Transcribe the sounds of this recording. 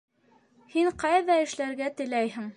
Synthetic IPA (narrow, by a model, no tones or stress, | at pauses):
hiɴqɑjðɑɘ̆ʃlæɾɡæt̪ɘ̆læjɦɘŋ